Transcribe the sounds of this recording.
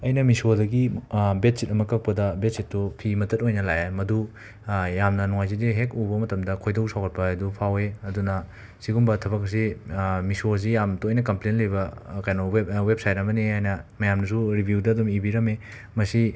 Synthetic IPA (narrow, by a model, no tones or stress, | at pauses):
ɐjnɐmisodɐɡibet̚sit̚ɐmɐkɐk̚pɐdɐbet̚sit̚ːupʰimɐtɐt̚ojnɐlajajmɐdu | jamnɐnɔŋajzidiɦek̚ubɐmɐtɐmdɐkʰojdɐwsʰawkʰɐt̚pɐɐdupʰaweɐdunɐ | siɡumbɐtʰɐbɐk̚ɐs̬imisos̬ijamtojnɐkɐmplenlɐjbɐkajnowwep̚sajt̚ɾɐmɐniajnɐmɐjamnɐs̬uɾibʱjudɐːdumibiɾɐme | mɐsi